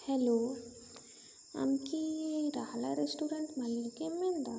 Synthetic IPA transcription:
hɛlo | a̰mkiɾaɦlaɾesʈuɾeɳʈmalːukemend̪a

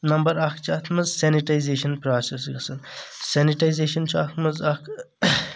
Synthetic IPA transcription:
nɐmbɐɾɐkʰt͡ʃʰɐt̪ʰmɨzseniʈajzeːʃɐnpɾaːsesɡɐsɐnseniʈajzeːʃɐnt͡ʃʰɐt̪ʰmɐzɐkʰ

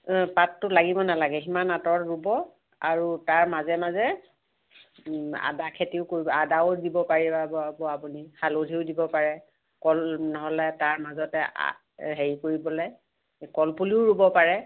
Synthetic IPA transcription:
patːʊlaɡibɔnalaɡɛximanatɔɹɹubɔ | aɹutaɹmazɛmazɛ | a̰dakʰetiʊkoɹibɔadaʊdibɔpaɹibabɔbɔapunixalodʱiʊdibɔpaɹɛ | kɔlnɔɦɔlɛtaɹmazɔtɛʔa̰ | ɦeɹikoɹibɔlɛ | kɔlpuliʊɹubɔpaɹɛ

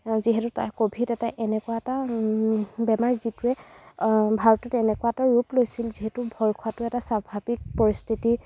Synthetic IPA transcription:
ziɦɛtʊta̰ɹkobʱitɛtaʔɛnɛkʊwaɛta | bɛmaɹzitʊɛ | bʱaɹɔtɔtɛnɛkʊwatɔɹɹuplojsilziɦɛtʊbʱɔɹkʰwatʊɛtasabʱabik̚pɔɹistʰiti

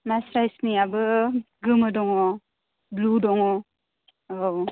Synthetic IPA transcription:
masɾajsniabɯɡɯmɯdɔŋɔ | bludɔŋɔ | o

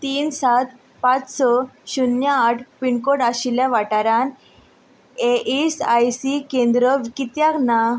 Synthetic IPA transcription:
t̪iːnsat̪ | pat͡ssɔɕunjaːʈʰpiɳkoɽaɕiljaʋaʈaɾãn | eisajsikẽnd̪ɾəʋikit̪jakna

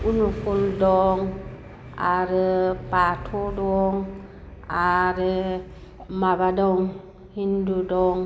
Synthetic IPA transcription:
unufuldɔŋ | aɾəpatʰodɔŋ | aɾi | mabadoŋ | hindudɔŋ

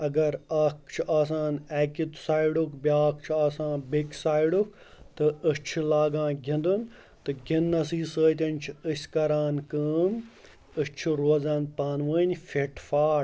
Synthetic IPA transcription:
ɐɡɐɾaːk̚t͡ʃʰʔaːs̬aːnɛːkʲit̪saːjɖukbiaːk̚t͡ʃʰaːsãːnbiksaːjiɖuk | t̪ɨət͡ʃʰulaːɡãːɡʱʲind̪un | t̪ɨɡʲinːɐsiːsəːt̪ʲɐnʲt͡ʃʰiəsʲkɐɾaːnkəːm | əst͡ʃʰiɾoːzãːnpaːnʋəːnʲfeʈʰfaː

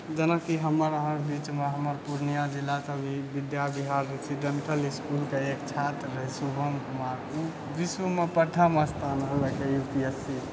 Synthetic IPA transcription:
d͡ʒənəkiɦəməɾəɦãɾbit͡ʃmeɦəməɾpuɾnijad͡ʒilːasəbʱibid̪jabiɦaɾːesiɖeɳʈəliskulkeekt͡ʃʰat̪ɾːəɦisubʱəŋkumaɾku | bisumepəʈʰaməst̪ʰanɦələkejut̪iəsi

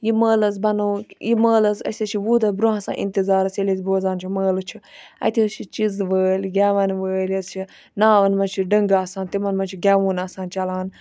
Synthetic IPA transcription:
jiməːlɐzbɐnoːjiməːlɐzɐ̰sʲɐt͡ʃʰiʋuːd̪ɐbɾuɦɐsa̰ːʔḭnt̪izaːɾɐselizboːzaːnt͡ʃʰiməːlɨt͡ʃʰiɐ̰t̪ʰist͡ʃʰit͡ʃizʋəːlʲɡʲaːʋɐnʋəːlɐzt͡ʃʰi | naːʋɐnmɐnt͡ʃʰiɖəŋɡaːsãːnt̪imɐnmɐnt͡ʃʰiɡʲaʋuːnaːsãːnt͡ʃɐlaːn

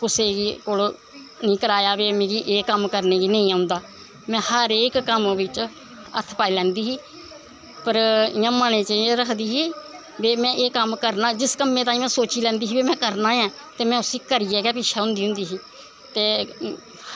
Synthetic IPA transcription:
kʊseːɡiːkoːl | nĩːkəɾaːjaːʋeːmẽːɡiːʔeːkəmkəɾneːɡiːnə̃ĩːaːʊ̃nd̪aː | mɛ̃ːhəɾeːkːəmʋɪt͡ʃ | ə̰t̪ʰpaːiːlɛ̃ːnd̪iːɦiː | pəɾɪãːmənẽːt͡ʃəẽɾəkʰd̪iːɦiː | beːmɛ̃ːʔeːkəmkəɾnaːd͡ʒɪskəmːẽt̪ãːĩːmɛ̃ːsoːt͡ʃiːlɛ̃ːnd̪iːɦiːbiːmɛ̃ːkəɾnãːãːt̪eːmɛ̃ːʊsiːkəɾiːɛːɡaːpɪʃʰaːʊ̃nd̪iːɦʊ̃nd̪iːɦiː | t̪eː

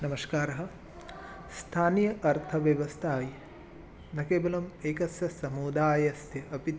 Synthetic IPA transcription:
nɐmɐʃkaːɾɐɦɐ̆ | st̪ʰaːnjɐʔɐɾt̪ʰɐʋjɐʋɐst̪ʰaːji | nɐkeːbɐlɐmeːkɐsjɐsɐmuːd̪aːjɐsjɐʔɐpit̪

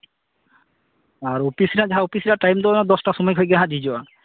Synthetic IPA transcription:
aɾopisiɾad͡ʑaɦaopisiɾaʈajmd̪ɔnad̪ɔsʈasʃɔmɔjkʰojɡɛɦãd͡ʑid͡ʑɔa

